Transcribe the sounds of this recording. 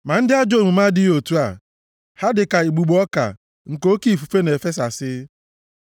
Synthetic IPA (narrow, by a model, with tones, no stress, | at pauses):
ma˨n̩˦dɪ˦a˦d͡ʒo˦˨mu˨ma˦dɪ˦o˨tu˦a˨ | ha˦dɪ˨ka˨i˨ɡ͡bu˨ɡ͡bɔ˦ka̰˨ | ŋ̩˨ko˦ki˦˨fu˨fe˦ne˨fe˦sa˨sɪ˦